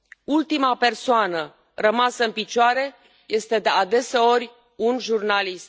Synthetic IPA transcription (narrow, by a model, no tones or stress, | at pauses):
ult̪imape̞rsoanə | rəmasəɨnpit͡ʃoaɾe̞ | je̞st̪e̞d̪e̞ad̪e̞se̞o̞rʲ | unʒurnalist̪